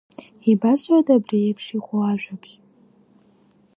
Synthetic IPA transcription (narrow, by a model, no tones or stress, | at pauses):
ibazwʷadʼabrijepʰʂiχʷʊaʒʷᶣapʰʼ